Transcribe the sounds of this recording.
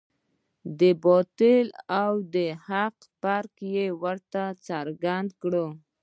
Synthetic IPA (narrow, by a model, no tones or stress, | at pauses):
d̪əbɔt̪ɪlawd̪əhaq | paɾkjewəɾt̪at͡saɾɡand̪kɽə